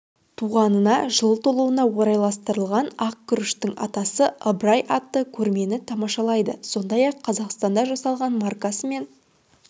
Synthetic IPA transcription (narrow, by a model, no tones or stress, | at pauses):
t̪ʰuʁɑnənɑʒəlˠt̪ʰolˠuənɑwo̞ɾɑjlˠɑst̪əɾəlˠʁɑnɑq̚kʲʰʏɾɪʃt̪ɪŋʔɑ̰t̪ɑsəəbɾɑjʔɑt̪ːəkʲʰɵɾme̞nɪt̪ʰɑmɑʃɑlˠɑjd̪əso̞nd̪ɑjɑqʰːɑzɑqst̪ɑnd̪ɑʒɑsɑlˠʁɑnmɑrkɑsəme̞n